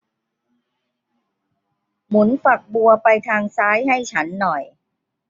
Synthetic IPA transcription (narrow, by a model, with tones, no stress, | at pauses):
mu˩˦nfa˨˩k̚bu˧ɐpa˧jt̪ʰaː˧ŋsaː˦˥jɦa˥˩jt͡ɕʰa˦˥nːɔ˨˩j